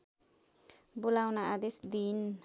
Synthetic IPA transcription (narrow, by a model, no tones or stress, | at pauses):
bulawnaʔad̪isd̪in